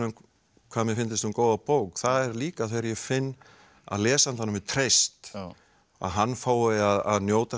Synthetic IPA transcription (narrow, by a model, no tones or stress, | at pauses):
ʏm | kʰv̥aːmɛfɪnt̪ɪst̪ukoːwðapowkθaðɛɾliːkaθejɾjɛfɪnː | a̰ðlɛːsant̪anːʏmvɪðt̪ʰɾejst̪ | a̰ðɦanːfaːwɪaðaðnjoːwt̪a